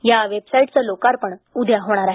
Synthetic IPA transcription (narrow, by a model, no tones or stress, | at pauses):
jaʋebsaiʈt͡səlokaɾpəɳud̪ʱjaɦoɽ̃aɾaɦ